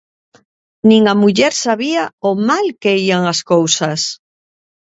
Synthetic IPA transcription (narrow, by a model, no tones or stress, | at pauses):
nĩŋamuʎɛɾsaβiaomalkeiaŋaskowsas